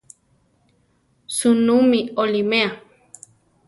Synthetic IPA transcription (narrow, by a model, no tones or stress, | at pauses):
sunũmiolimea